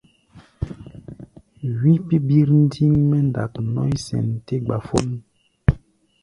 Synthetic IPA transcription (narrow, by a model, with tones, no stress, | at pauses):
wi˦pi˦bi˦ɾn̩˦di˦ŋmɛ˦n˨da̰˨knɔ̰˦i˦sɛ̰˨nte˦ɡ͡ba˨fo˦n˦